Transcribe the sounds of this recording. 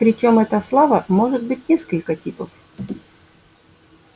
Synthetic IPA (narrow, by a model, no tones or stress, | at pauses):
pɾʲɪt͡ɕo̞mɛt̪əslˠavəmo̞ʐɨt̪̚bɨt̚ʲnʲeskəlʲkətʲipəf